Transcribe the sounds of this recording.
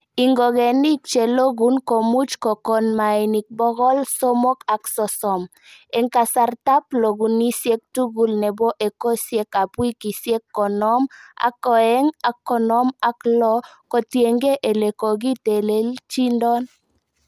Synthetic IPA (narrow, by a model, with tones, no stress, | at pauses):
i˨ŋɡo˨ɡɛ˨ni˦kt͡ʃe˨lo˦ɡu˨˦nko˨mu˦t͡ʃkɔ˨kɔ˨nma˨i˨ni˨k̚bɔ˦ɡɔ˦lso˦mɔ˦ka˨ksɔ˨sɔ˨m | ɛ˨ŋka˨sa˨rta˦plo˨ɡu˨ni˦sje˦k̚tu˦ɡu˨lnɛ˨bɔ˦ʔe˨ko˦sje˦ka˨pwi˦ki˨sje˦kːɔ˨nɔ˦ma̰˨kɔ˨ɛ˦ŋa˨kːɔ˨nɔ˦ma˨klɔ˦kɔ˨tje˨ŋɡe˦ʔe˨le˨ko˨ɡi˦te˨le˦lt͡ʃi˦ndɔ˦n